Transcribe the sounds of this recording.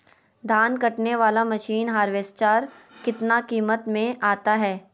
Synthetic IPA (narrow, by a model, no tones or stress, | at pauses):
d̪ʱaːnkɐʈneʋaːlamɐʃiːnɦaːɾʋeːst͡ʃaːɾ | kɪt̪nakiːmət̪mẽʔaːt̪aɦɛː